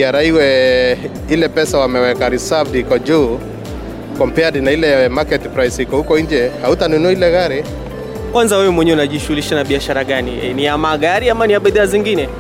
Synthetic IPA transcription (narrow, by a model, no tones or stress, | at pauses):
aɾaiwɛ | ilɛpɛsawamɛwɛkaɾisavdhikɔd͡ʒuː | kɔmpɛaɾinailɛmakɛtpɾajshikɔhukɔiɲd͡ʒɛhautanunuailɛɣaɾi | kwanzawɛwɛmwɛɲɛwunaʄiʃuɣuliʃanaɓiaʃaɾaɠaniniamaɡaɾiamaniaɓɛðɛaziŋɡinɛ